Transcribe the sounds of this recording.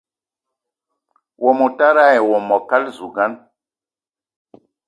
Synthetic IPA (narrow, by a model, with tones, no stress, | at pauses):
wʔo˨mo˨ta˦ɾa˦˨jɛ˨wo˨mɔ˨ka˦lzu˨ɡa˦n